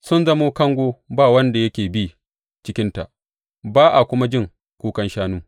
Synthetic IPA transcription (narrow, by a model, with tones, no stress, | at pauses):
sʊ˦nzɐ˦moː˦kɐ˦ŋɡʷoː˦baː˦˨wɐ˦nda˨jɐ˦kʲeː˨bi˦ | t͡ʃɪ˦kʲɪ˦nta˨ʔ | baː˦ʔa˨kʷʊ˦ma˦d͡ʒɪ˦ŋ | kʷuː˦kɐ˦nʃaː˦nuː˦